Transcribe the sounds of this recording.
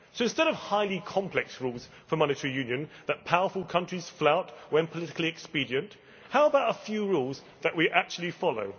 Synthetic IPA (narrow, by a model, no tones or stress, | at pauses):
soʊɨ̃nstɛɾʌv̥haɪlikʰɒ̃mpʰlɛksɹuːlˠz̥ | fəmɑñɨtʰɛɹijʉ̃njɨ̃nðət̚pʰaʊə˞fəlˠkʰʌ̃nt͡ʃɹ̥iz̥flaʊtwə̃npʰəlɪɾɪ̥klˠiɛkspiɾiə̃nʔ | haʊəbaʊɾəfjʉːɹuːlˠz | ðəʔwiʔæk̚t͡ʃʉəl̩ˠifɑlˠo̰ʊ